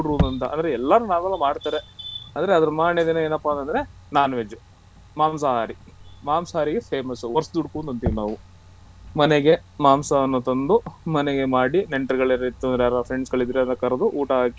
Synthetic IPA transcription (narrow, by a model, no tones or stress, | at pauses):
uɽuːnd̪ɐnt̪ɐʔɐ̰nd̪ɐɾeɛlːɐnunaːʋɐlːɐmaːɖt̪aːɾeɐnd̪ɐɾeɐd̪ɐɾɐmaːɳjɐd̪enɐeːnɐpːɐɐnt̪ɐnd̪ɐɾenaːnɐʋed͡ʒu | maːmsɐɦaːɾimaːmsɐɦaːɾiɡepʰeːmɐsuɔɾsd̪uɽkuːnd̪ɐnt̪iʋinaːʋu | mɐneɡemaːmsɐɐnːut̪ɐnd̪umɐneɡe̞maːɽineɳʈɐɾɡɐɭeɾɐit̪ːuɐnd̪ɾejaːɾɐpʰɾeɳɖsɡɐɭid̪ɾeɐnt̪ɐkɐɾɐd̪uʔuːʈɐɦaːki